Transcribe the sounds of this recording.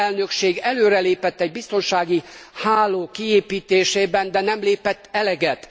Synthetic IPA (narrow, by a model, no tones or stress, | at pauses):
ɛlnø̞kʃeːɡɛløːɾɛleːpɛt̪ːɛɟ̚bist̪o̞nʃaːɡihaːloːkieːpiːt̪eːʃeːbɛnd̪ɛnɛmleːpɛt̪ːɛlɛɡɛt̪